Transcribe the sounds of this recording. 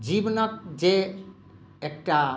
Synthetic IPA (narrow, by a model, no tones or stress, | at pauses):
d͡ʒibɔnɔk̚d͡ʒe | ekʈa